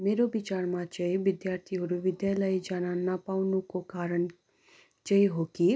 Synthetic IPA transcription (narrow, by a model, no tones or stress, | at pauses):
meːɾobɪt͡ʃaːɾmãt͡ʃəiʋɪd̪jaːɾt̪ʰiɦoɾuʋɪd̪jaːləid͡ʒaːnanapaːunũkokaːɾəɳ | t͡ʃəiɦoːki